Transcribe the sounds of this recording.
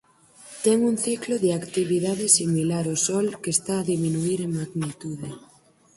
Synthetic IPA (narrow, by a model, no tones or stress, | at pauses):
t̪ɛŋuŋθikloðɪakt̪iβiðaðɪsimilaɾosɔlkest̪aːðiminuiɾeŋmaɣnit̪uðe